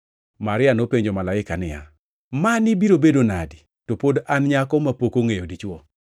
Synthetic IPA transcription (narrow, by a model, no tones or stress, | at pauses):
maɾɪanopeɲd͡ʒomalaɪkanɪja̰ | manibiɾobedonadi | topodanɲakɔmapokoŋejodit͡ʃwɔ